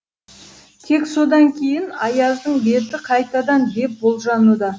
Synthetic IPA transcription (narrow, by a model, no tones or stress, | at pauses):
t̪ʰe̞kso̞d̪ɑŋkʲʰe̞jɪnɑjɑzd̪əɴbe̞t̪ɪqʰɑjt̪ɑd̪ɑnd̪e̞p̚bo̞lˠʒɑnud̪ɑ